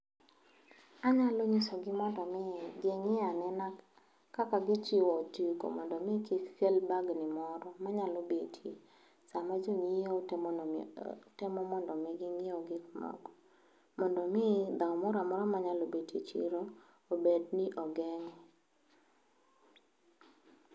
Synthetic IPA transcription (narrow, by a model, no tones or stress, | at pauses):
aɲaloɲisɔɡɪmɔndɔmɛɡɪŋɪanɛnakː | akaɡɪt͡ʃiotiko̰mɔndɔmɪkikkelbaɡnɪmɔɾɔmaɲalobetʰi | samad͡ʒoŋio | tɛmɔmɔndɔmɛɡɪŋɪoɡɪkmɔ̰ɡɔ | mɔndɔmɪd̪aɔmɔɾamɔɾɔmaɲalobetʰit͡ʃḭɾo | obedniʔɔɡɛŋɛ